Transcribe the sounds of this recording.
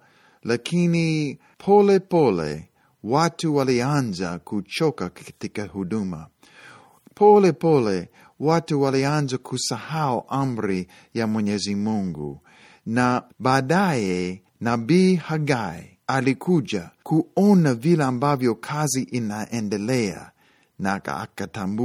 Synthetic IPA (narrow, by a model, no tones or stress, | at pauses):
lakʰini | pʰɔlɛpɔlɛ̰ | watuwalianza̰kʰut͡ʃɔkakkḁtikɐhudumɐ̰ | pʰɔlɛpɔlɛ | watuwalianzakʰusahauʔamɾi | jamwɛɲɛzimuŋɡṵ | nabaːdaɛ | nabihaɡai | alikʰud͡ʒakʰuɔnavilaːmbavjɔkʰaziʔinaʔɛ̃ndɛlɛa̰ | naa̰katamb